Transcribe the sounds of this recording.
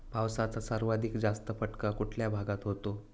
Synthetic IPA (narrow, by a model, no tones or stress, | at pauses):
pawsat͡sasaɾʋad̪ʱikd͡zast̪əfəʈkakuʈʰljabʱaɡat̪ɦot̪o